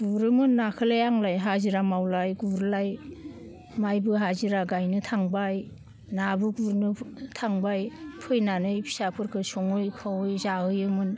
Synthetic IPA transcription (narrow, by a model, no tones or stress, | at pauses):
ɡuɾɯmɯnːakʰɯlajaŋlajɦaziɾamawlajɡuɾlaj | majbɯɦaziɾaɡajnɯtʰaŋbaj | nabɯɡuɾnɯtʰaŋbajpʰɯjnanɯjpʰi̥sapʰɯɾkʰɯsɔŋɯjkʰawɯjzaɦɯjɯmɯn